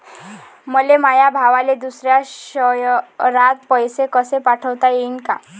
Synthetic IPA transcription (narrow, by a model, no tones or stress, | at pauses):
məlemajabʱaʋaled̪usɾjaɕəjɾat̪̚pəjsekəsepaʈʰəʋt̪ajenka